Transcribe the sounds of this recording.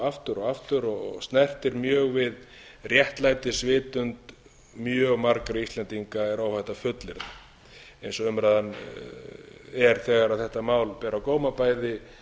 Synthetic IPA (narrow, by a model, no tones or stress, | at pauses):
aft̪ʏɾɔɣaft̪ʏɾɔɣɣst̪nɛr̥t̪ɪɾmjœːɣvɪð | rjɛht̪lajt̪ɪsvɪːt̪ʏnt̪ | mjœːɣmaɾkɾaist̪lɛnt̪iŋkaɛɾawfajht̪afʏt̪lɪɾða | ejnsɔʏmɾaðan | ɛɾ̥θɛːɣaɾaðθɛht̪amaːwlpɛːɾawkoːwmapaːjðɪ